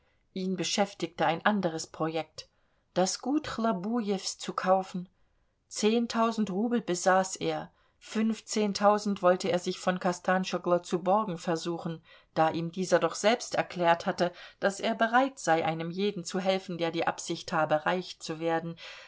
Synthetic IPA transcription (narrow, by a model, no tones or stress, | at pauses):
ʔiːnbəʃɛftɪk̚təaɪnʔandəʁ̞əspʁ̥ojɛk̚t | d̥asɡ̥uːtχlabujɛfst͡sukʰaʊfn̩ | t͡seːntʰaʊzn̩tʁuːbl̩bəzaːsʔeːɐ | fʏnft͡seːntʰaʊzn̩tv̥ɔltəeːɐzɪçfɔnkʰastʰaːnʃɔɡlɐt͡subɔɐɡŋ̩fɛɐzuːχn̩ | d̥aːʔiːmdiːzɐdɔχz̥ɛlpstɛɐkl̥ɛːɐthatəd̥aseːɐbəʁaɪtz̥aɪʔaɪnəmjeːdn̩t͡suɦɛlfn̩deːɐdiːʔa̰pz̥ɪçthaːbəʁaɪçt͡suveːɐdn̩